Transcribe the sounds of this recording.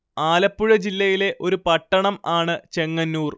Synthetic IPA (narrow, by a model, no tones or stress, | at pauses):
aːlɐpːuɻɐd͡ʑilːɐjile̞ʔo̞ɾupɐʈːɐɳɐmaːɳɨt͡ɕe̞ŋːɐnːuːr